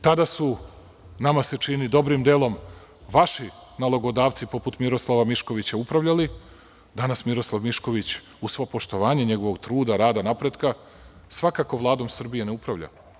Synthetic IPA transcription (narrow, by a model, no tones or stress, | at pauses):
t̪ad̪asu | namaset͡ʃinid̪o̞bɾimd̪elˠo̞m | ʋaʃinaloɡo̞d̪aːʋt̪sipo̞put̪miɾo̞slˠaʋamiʃko̞ʋit͡ɕaupɾaʋʎali | d̪anasmiɾo̞slˠaʋmiʃko̞ʋit͡ɕ | usʋo̞po̞ʃt̪o̞ʋaːɲeɲe̞ɡo̞ʋoɡt̪ɾuːd̪aɾaːd̪anapɾe̞d̪ka | sʋakako̞ʋlˠaːd̪o̞msr̩bijeneupɾaʋʎa̰